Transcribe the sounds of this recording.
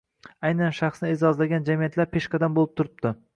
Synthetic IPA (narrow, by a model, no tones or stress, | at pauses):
ajnanʃaχsnɪezɒzlaɡʲand͡ʒamijat̪laɾpʰe̞ʃqɑd̪anbolˠɪp̚t̪ʰʊɾɪp̚d̪ɪ